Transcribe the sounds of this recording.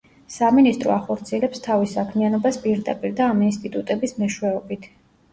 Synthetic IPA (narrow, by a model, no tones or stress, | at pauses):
saminist̪ʼɾɔaχɔɾt̪sʰiɛlɛpst̪ʰavisakʰmianɔbaspʼiɾd̪a̰pʼiɾd̪aːminst̪ʼit̪ʼut̪ʼɛbismɛʃwɛɔbit̪ʰ